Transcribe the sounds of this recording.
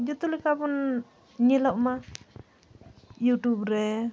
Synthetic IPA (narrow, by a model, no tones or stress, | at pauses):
d͡ʒut̪ulikabɔn | ɲilɔʔma | juʈubɾɛ